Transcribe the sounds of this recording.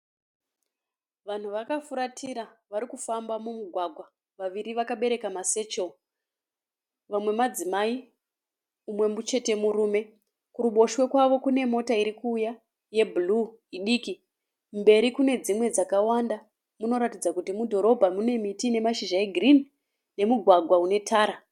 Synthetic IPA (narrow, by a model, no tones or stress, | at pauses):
ʋan̤uʋakafuɾatʰiɾaʋaɾikufambamumuɡʱwaɡʱwa | ʋaʋiɾiʋakaɓe̞ɾe̞kamase̞t͡ʃo | ʋamwe̞mad͡zimai | umwe̞mut͡ʃe̞te̞muɾuːme̞ | kuɾuɓo̞ʃwe̞kwaʋo̞kune̞mo̞taiɾikuːja | je̞bʱulu | iɗiki | mbe̞ɾikune̞d͡zimwe̞d͡zakawanda | muno̞ɾatid͡zakutimudʱo̞ɾo̞bʱamune̞mitine̞maʃiʒaeɡʱrini | ne̞muɡʱwaɡʱwaune̞tʰaːɾa